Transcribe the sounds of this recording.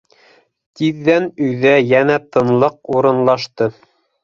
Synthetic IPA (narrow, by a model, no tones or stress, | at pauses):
t̪iðːænɵ̆jðæjænæt̪ɤ̆nlˠɤquɾɤ̆nlˠɑʃt̪ɤ